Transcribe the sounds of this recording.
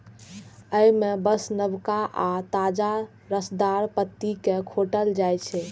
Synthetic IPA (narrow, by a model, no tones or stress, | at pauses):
əjmebəsnəbkaʔat̪ad͡ʒa | ɾəsd̪aɾpət̪ːikekʰoʈəld͡ʒajt͡ʃʰɛ